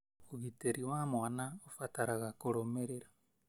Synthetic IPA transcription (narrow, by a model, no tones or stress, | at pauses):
oɣiteɾiwamwanaofataɾaɣakoɾomeɾeɾa